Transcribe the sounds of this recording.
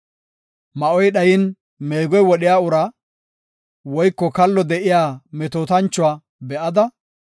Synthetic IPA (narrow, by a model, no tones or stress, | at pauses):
mɐʔɔjɗɐjɪn | meːɡɔjwɔɗɪjaːʊɾa | wɔjkːɔkɐlːɔd̪ɛʔɪjaːmɛt̪oːt̪ɐnt͡ʃːʊwaː | bɛʔɐd̪ɐ